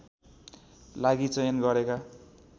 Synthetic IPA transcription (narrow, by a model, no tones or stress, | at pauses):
laɡit͡sʌjʌnɡʌɾeka